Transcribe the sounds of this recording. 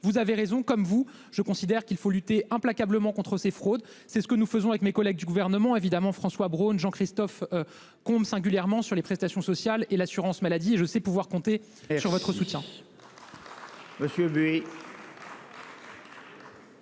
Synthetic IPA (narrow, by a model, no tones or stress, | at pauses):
vuzaveʁezɔ̃kɔmvu | ʒəkɔ̃sid̪ɛʁkʲilfolyt̪eʔɛ̃plakabləmɑ̃kɔ̃t̪χəsefχod̪ | sɛsə̥kənufəzɔ̃avɛkmekɔlɛɡ̚d̪yɡuvɛʁnəmɑ̃evid̪amɑ̃fχɑ̃swabʁonʒɑ̃kχist̪ɔfø | kɔ̃bsɛ̃ɡʲyljɛʁmɑ̃syʁlepχɛst̪asjɔ̃sɔsjalelasyʁɑ̃smalad̪ieʒəsɛpuvwaʁkɔ̃t̪e | syʁvɔt̪χəsut̪jɛ̃ | məsjøbye